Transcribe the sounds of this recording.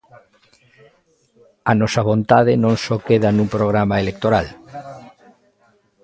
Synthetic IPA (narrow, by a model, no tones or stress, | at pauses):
anɔsaβ̞õnt̪aðenõnsokeðanũmpɾoɣ̞ɾamaelek̚t̪oɾal